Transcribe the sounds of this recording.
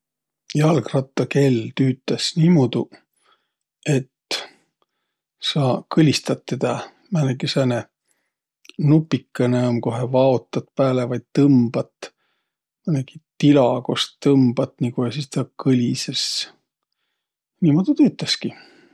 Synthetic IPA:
jɑlkrɑt̪ːˑɑke̞lt̪yːt̪ːˑɑsnimod̪̥u | e̞t̪ | sɑkɯlʲist̪ɑt̪ːed̪ɑ | mænekisæne | nupːikːɑneomko̞ɦevɑot̪ːˑɑt̪̚pæːlevɑjd̪̥̚t̪ɤmb̥ɑt̪ | mænekit̪ilɑko̞stt̪ɤmb̥ɑt̪nikohesist̪ɑkɯlʲises | niːmod̪̥ut̪yːt̪ːˑɑski

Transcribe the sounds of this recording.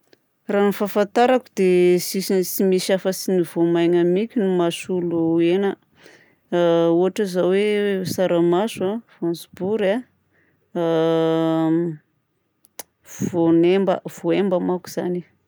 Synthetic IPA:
ranifafant̪aɾakud̪esisisimisafəsinivomajŋamikʲinumasuluenə | uaʈ͡ʂəzawesaɾamazuafansbuɾa | vv̥onembə̰v̥oembəmaku̥z̥a̰ni

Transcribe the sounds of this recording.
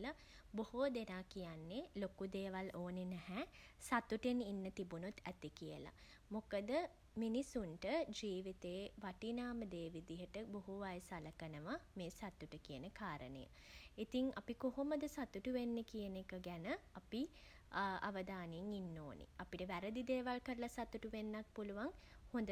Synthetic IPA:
la | bohod̪enaːkijanːelokud̪eːʋaloːnenæhɛ | sat̪uʈeninːət̪ibunut̪ʰːæt̪ikijə̰la̰ | mokəd̪ə | minisuɳʈəd͡ʒiːʋit̪eːʋaʈinaːməd̪eːʋid̪iɦəʈəboɦuʋajsaləkənəʋameːsat̪ːuʈəkijənəkaːɾənə̰jə̰ | it̪iŋa̰pikoɦoməd̪əsat̪uʈuʋenːəkijənekəɡænəapi | a̰ʋəd̪aːneŋinːoːnḛapiʈəʋæɾəd̪id̪eːʋalkəɾəlasat̪uʈuʋenːak̚puluʋaŋhõnd̪ə

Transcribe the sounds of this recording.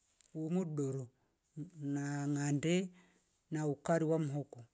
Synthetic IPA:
wumuɗoɾo | naŋande | naukaɾiwam̩ɦɔko

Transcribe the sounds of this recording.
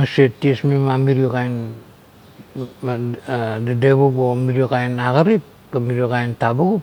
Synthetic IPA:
asetːiesmimamiɾiokajn | dadeβoɡomiɾiokajnaɡaɾip̚ | kamiɾiokajntabuɡup

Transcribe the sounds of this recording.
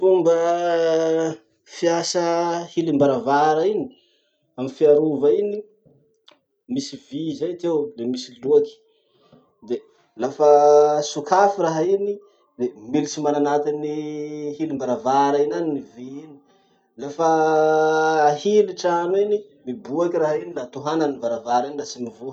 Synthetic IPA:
fumbə | fiasəhilimbaɾavaɾaini̥ | amifiaɾuvaini | misivizajat̪ewlemisiluaki̥ | d̪e | lafəsukafiraɦaini | d̪emilit͡simananat̪iniɦilimbaɾavaɾainaniniviini̥ | lafa | hiliʈ͡ʂaninimibuakiraɦainilat̪uɦananivaɾavaɾinirasimivo

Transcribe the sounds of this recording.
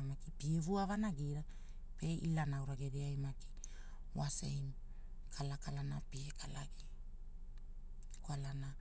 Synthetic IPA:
makipievuavanaɡiɾa | pe̞ʔilanawɾaɡeɾiajmaki̥ | wasḛjm | kʰalakalanapiekʰala̰ɡi | kwalana

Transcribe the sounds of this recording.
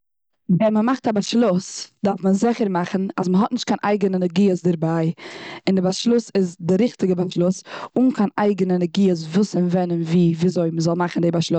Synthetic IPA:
vɛnməmaχtabaʃlˠʊsd̥aɾfmənzɪχəɾmaχn̩asməɦɔtnɪʃt̚kʰanʔa̰ɪɡənənəɡiːəsdɪɾbaɪɪndɪbaʃlˠʊsɪzdɪɾɪχtɪɡəbaʃlˠʊsʊnkʰanaɪɡənənəɡiːəs̬vuːsɪnvɛnənviːviːzoɪməzɔlˠmaχn̩deɪbaʃlˠʊs

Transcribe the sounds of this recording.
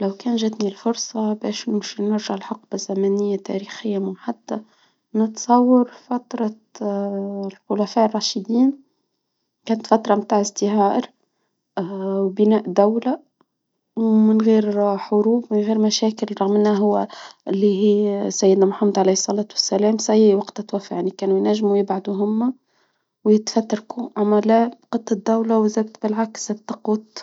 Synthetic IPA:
læwkæːnʒæd̪nilfʊɾsˤɑbɛːʃnɪʃnɪɾʒaʕlħʊqbazːæmæːnɪjːat̪æ̰ɾixɪjːamʊħad̪ːa | nɪt̪sˤɑwːɑɾfat̪ɾˤɑ | lxʊlæfæːʔrˤːɑːʃɪd̪iːn | kæːnət̪fat̪ɾˤɑmt̪aːʕɪzd̪ɪɦɑːʔɾ | wbɪnæːʔd̪æwla | wmɪnɣiːɾħʊɾuːbmɪnɣiːɾmæʃæːkɪlɾˤɑɣmɪnæɦʊwːæɪlːiɦiːsæjːɪd̪næmħamːəd̪ʕalijsˤːɑlɑːt̪wɪsːælæːmsʔæjːwɑqt̪æt̪wæfːaʕjanikæːnujnæʒːmujɪbʕad̪uɦʊmːæ | wjɪt̪fæt̪ːɾˤɑkuʔæmːælæbqɑt̪ˤːɑd̪ːæwlawzæb̪̚t̪bɪlʕakst̪ːɑquːt̪

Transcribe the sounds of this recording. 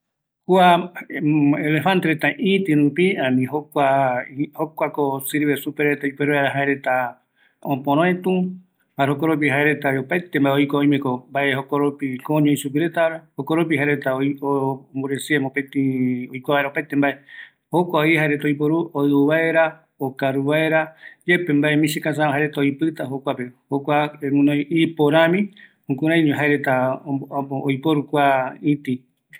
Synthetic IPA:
kwa | elefant̪eɾet̪aʔĩt̪ɨ̃ɾũpiãmĩɦokʷaihokʷakosiɾβesupeɾet̪aipeɾoeɾaɦaeɾet̪a | õpõɾ̃õẽt̪ũ | baɦokoɾop̬iɦaeɾe̞t̪aopajt̪embaeojkoõj̃mẽkombaehokoɾopikõɲõĩsup̬iɾet̪aɾahokoɾop̬iɦaeɾet̪aoombuɾesiemopẽt̪ĩojkʷaβaeɾaopaet̪embaʔe | hokʷaoiɦaeɾe̞t̪aojp̬oɾuoɨuβaeɾa | okaɾuβaeɾad͡ʒe̞pembaemĩsekãsãɦaeɾet̪aojpɨt̪aɦokʷapehokʷaenũnõipoɾãmĩhũkuɾãj̃ɲũɦaeɾet̪a | ojpoɾukʷaĩt̪i

